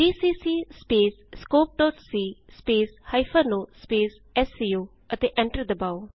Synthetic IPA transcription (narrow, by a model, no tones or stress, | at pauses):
ɖiːsiːsiːspeːsskoːp̚ɖɔːʈsiːspeːshaɪfənoːspeːs | ɛsːiːoː | ʔɛʈ̪̚d̪iʔɛ̃ɳʈəɾd̪əbaʊ